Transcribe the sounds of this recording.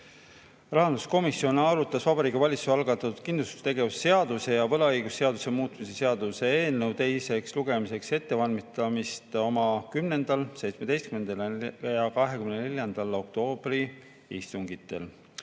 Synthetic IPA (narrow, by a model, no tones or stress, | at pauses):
rɑɦɑnd̪usko̞misjo̞nɑɾut̪ːˑɑsvɑbɑɾiːkivɑlʲit̪suɑlɡɑt̪ːˑɑt̪ːut̪̚kind̪lust̪u̥st̪e̞ɡe̞vusːe̞ɑd̪̥use̞jɑvɤ̞lɑɤjɡ̥usːe̞ɑd̪use̞muːt̪ːˑmise̞se̞ɑd̪use̞eːlnɤwt̪e̞jse̞ksluɡ̥e̞mise̞kse̞t̪ːe̞vɑlmit̪ˑɑmist̪o̞mɑkymne̞nd̪̥ɑlse̞jt̪sme̞d̪e̞jst̪kymend̪ɑljɑkɑɦe̞kymnene̞ljɑnd̪̥ɑlo̞k̚t̪o̞ːb̥ri | ist̪uŋɡ̥it̪ːˑe̞̰l